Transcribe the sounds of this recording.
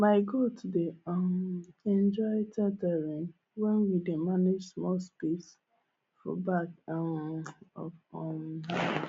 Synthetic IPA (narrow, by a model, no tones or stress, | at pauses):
maɪɡotʰudeamɛ̃nd͡ʒɔɪtatɛɾĩn | wɛ̃nwidemaned͡ʒsmɔlspes | fɔ̰bak | ɔ̰ɔma